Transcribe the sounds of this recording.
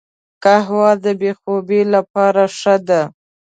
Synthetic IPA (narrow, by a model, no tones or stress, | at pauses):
kaɦwɑd̪əbexobelapɑɾaʂəd̪a